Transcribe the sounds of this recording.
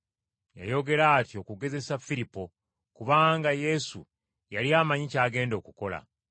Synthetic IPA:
ja̰jo̞ɡe̞ɾaːtio̞kuɡe̞ze̞safiɾipːo̞ | kuβaːŋɡaje̞sṵ | jaliaːmaɲicaːɡe̞ːndo̞ːkuko̞la̰

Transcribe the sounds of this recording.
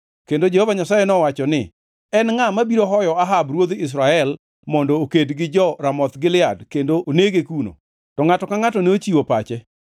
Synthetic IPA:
kendod͡ʒehovaɲasajɛnɔwat͡ʃɔnɪ | ɛnŋamabiɾoɦɔjɔaɦabɾwod̪ɪs̬ɾaɛl | mɔndɔːkedɡɪd͡ʒɔɾamɔt̪ɡɪlɪadkendoʔoneɡekuno̰ | tɔŋatɔkaŋatɔneot͡ʃiwopat͡ʃɛ

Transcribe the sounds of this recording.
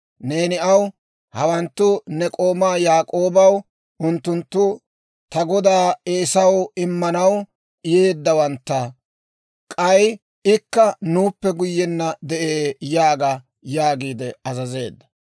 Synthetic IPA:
ne̞ːnɪɐw | hɐwɐnt̪ːʊnɛkʼo̞ːmaːjaːkʼo̞ːbɐw | ʊnt̪ːʊnt̪ːʊ | t̪ɐɡɔd̪aːeːsɐwɪmːɐnɐw | ɪje̞ːd̪ːɐwɐnt̪ːɐ | kʼɐj | ɪkːɐnuːpːɛɡʊjːɛnːɐd̪ɛʔeːjaːɡa | jaːɡiːd̪ɛɐzɐze̞ːd̪ːɐ̥

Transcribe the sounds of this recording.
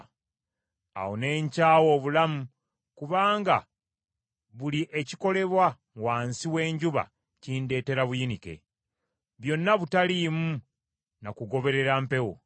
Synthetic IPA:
a̰woneːɲcaːwo̞ːβulamu | kuβaːŋɡa̰ | βuliʔe̞ciko̞le̞βwa | waːnsiwe̞ːɲɟuβa̰ | ciːnde̞ːte̞ɾaβujinike̞̰ | βjo̞nːaβutaliːmu | nakuɡo̞βe̞ɾe̞ɾampe̞wo̰

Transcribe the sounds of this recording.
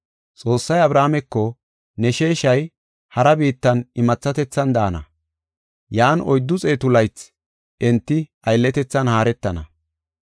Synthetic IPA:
t͡sʼo̞ːsːɐjɐbɾaːmɛkːɔ | nɛʃeːʃɐj | hɐɾɐbiːt̪ːɐnɪmɐt͡sːɐt̪ɛt͡sːɐnd̪aːnɐ̰ | jaːnɔjd̪ːʊt͡sʼe̞ːt̪ʊlɐjt͡s | ʔɛnt̪ːɪ | ɐjlːɛt̪ɛt͡sːɐnhaːɾɛt̪ːɐnɐ

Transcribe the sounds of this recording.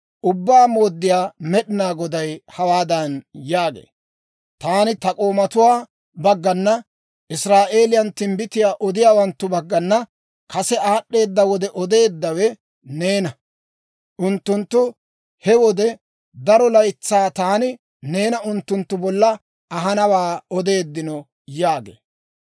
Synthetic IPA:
ʔʊbːaːmo̞ːd̪ːɪjaːmɛɗɪnaːɡɔd̪ɐjhɐwaːd̪ɐnjaːɡḛː | t̪aːnɪt̪ɐkʼo̞ːmɐt̪ʊwaː | bɐɡːɐnːɐ | ʔɪsɾaːʔe̞ːlɪjɐnt̪ɪmbɪt̪ɪjaːʔɔd̪ɪjaːwɐnt̪ːʊbɐɡːɐnːɐ | kɐsɛaːɗːe̞ːd̪ːɐwɔd̪ɛʔɔd̪e̞ːd̪ːɐwɛ | ne̞ːnɐ | ʔʊnt̪ːʊnt̪ːʊ | hɛwɔd̪ɛ | d̪ɐɾɔlɐjt͡sːaːt̪aːnɪ | ne̞ːnɐʊnt̪ːʊnt̪ːʊbɔlːɐ | ɐɦɐnɐwaːɔd̪e̞ːd̪ːɪnɔ | jaːɡḛː

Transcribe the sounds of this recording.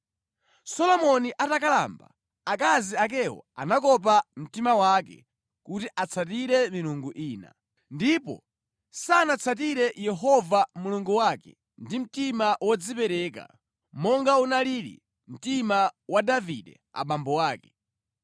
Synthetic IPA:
sɔlɔmɔniʔatakala̰mba̰ | akaziak̬ɛɔ̰a̰nakɔp̬am̩timawakɛ̰ | kutiʔat͡sʰat̬iɾɛmiɾuŋɡuʔiːna̰ | ndipɔ̰ | sanat͡sʰat̬iɾɛjɛɦɔvamuluŋɡuwakɛ̰ | ndim̩timawɔd͡zipɛɾɛk̬a̰ | mɔŋɡaunaliɾḭ | m̩timawadavidɛ̰ | a̰ɓambɔwaːkɛ̥

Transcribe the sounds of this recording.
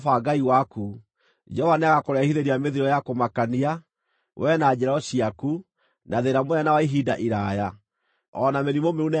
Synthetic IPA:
faɡaiwaku | d͡ʒɛɔvaneaɣakoɾɛahiðeɾiameðiɾɔjakomakania | wʔɛnad͡ʑɛɾaɔɕiaku | naðeɾamɛnawaiɦida̰ʔiɾaja | ɔnameɾimomeune

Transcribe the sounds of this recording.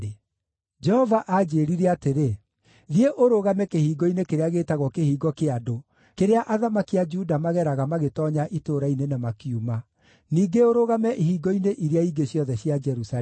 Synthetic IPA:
d͡ʒɛhɔvaʔad͡ʒeːɾiɾɛateɾe | ðieʔoɾoɣamɛkehiːɡɔinekeɾeaɣeːtaɣwɔkehiːɡɔkeado | keɾeaʔaðamakiad͡ʒudamaɣɛɾaɣamaɣetɔɲaʔitoɾainenamakiuma | niːɡeoɾoɣamɛʔihiːɡɔineʔiɾeaiɡeɕjɔðɛɕjad͡ʒɛɾusa

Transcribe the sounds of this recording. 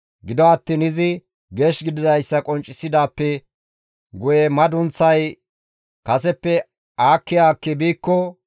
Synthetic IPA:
ɡɪd̪ɔɐt̪ːiːnɪzɪ | ɡe̞ːʃɡɪd̪ɪd̪ɐjsːɐkʼɔnt͡ʃʼːɪsːɪd̪aːpːɛ | ɡʊjɛmɐd̪ʊnt͡sːɐj | kɐsɛpːɛ | aːkːɪjaːkːɛbiːkːɔ

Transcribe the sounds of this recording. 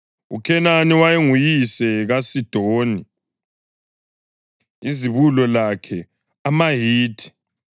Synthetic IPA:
ukʰɛnaniwajeŋujisɛɣasid̥ʱoːni | iziβulɔlakʰɛ | amaɦiːtʰʼi̥

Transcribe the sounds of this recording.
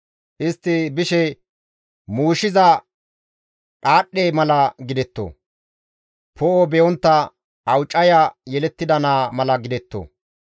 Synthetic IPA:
ʔɪst̪ːɪbɪʃɛ | muːʃɪzɐ | kʼaːɗːeːmɐlɐɡɪd̪ɛt̪ːo̰ | pʰɔʔobɛjɔnt̪ːɐ | ɐwt͡ʃʼːɐjajɛlɛt̪ːɪd̪ɐnaːmɐlɐɡɪd̪ɛt̪ːo̰

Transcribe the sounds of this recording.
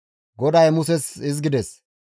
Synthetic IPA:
ɡɔd̪ɐjmʊs̬ɛsɪz̬ɡɪd̪ɛs

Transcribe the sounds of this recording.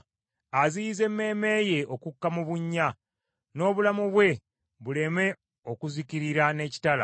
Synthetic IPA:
aziize̞mːe̞ːme̞ːje̞ʔokukːamuβuɲːa | no̞ːβulamuβwe̞ | βule̞me̞ | o̞kuziciɾiɾane̞ːci̥tala̰

